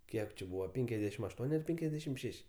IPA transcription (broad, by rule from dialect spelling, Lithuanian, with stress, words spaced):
ˈkʲiɛk t͡ʃʲɪ ˈbuːʋɐ ˈpʲɛŋʲkʲɛs dʲɛʃʲɪm ɐʃˈtuɔnʲ ɐr ˈpʲɛŋʲkʲɛs dʲɛʃʲɪm ˈʃʲɛʃʲ